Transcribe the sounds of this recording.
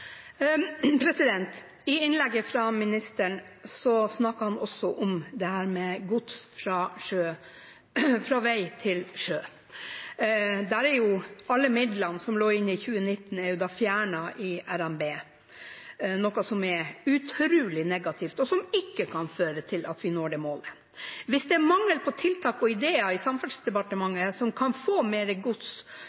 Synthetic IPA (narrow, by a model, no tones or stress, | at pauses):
pʰɾɛsɪd̪ɛnt̪ | ɪɪnlɛɡːəfɾɑmɪnɪst̪əɳ | sɔsnɑkːəhɑnɔsːɔʔɔmd̪ɛhæːɾmɛɡʊt̪sfɾɑːʂøː | fɾɑːʋæɪt̪ʰɪlʂøː | d̪æɾɛɾjʊɑlːəmɪd̪lɑnsɔmloːɾɪnːɪçʉːənɪt̪ːn̩ɛɾjʊd̪ɑːfjæːɳɑʔɪæɾæmbeː | nɔkɑsɔmɛɾʉt̪ʰɾʉːlɪnɛɡɑt̪ʰɪft̪ɔsɔmɪkːəkʰɑnføːɾət̪ʰɪlʔɑt̪ʋɪnoːɖɛmoːlə | ʋɪsd̪ɛæmɑŋːəlpʰɔt̪ʰɪlt̪ʰɑːkɔɪd̪eːɑɪsɑmfɑsd̪ɛpɑʈəmɑŋːəsɔmkʰɑnfoːmeːɾəɡʊt̪s